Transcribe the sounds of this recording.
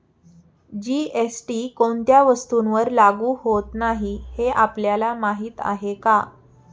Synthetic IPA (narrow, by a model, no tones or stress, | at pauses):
d͡ʑiesʈikont̪jaʋəst̪unʋəɾlaɡuːhot̪naɦiheʔapljalamaɦiːt̪a̰ɦeka